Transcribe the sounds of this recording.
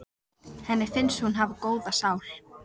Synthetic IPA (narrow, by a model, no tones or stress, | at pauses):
hɛnːɪɾ̥fɪnshunɦavakoːwðasaːwl